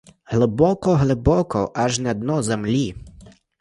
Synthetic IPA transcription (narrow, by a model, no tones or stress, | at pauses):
ɦlˠɪbɔkɔɦlˠɪbɔkɔʔɐʒnɛɔd̪̚nɔzemlʲi